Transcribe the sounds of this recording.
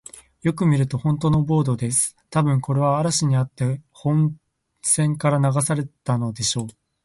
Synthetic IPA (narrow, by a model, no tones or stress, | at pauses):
jo̞kɯ̟mʲiɾɯ̟t̪o̞hõ̞nt̪o̞no̞bo̞ːd̪o̞d̪e̞sɨ̥ | t̪abɯ̟̃ŋko̞ɾe̞βaːɾaɕiɲ̟iat̪ːe̞hõ̞n | sẽ̞ŋkaɾanaɡasaɾe̞t̪ano̞d̪e̞ɕo̞ː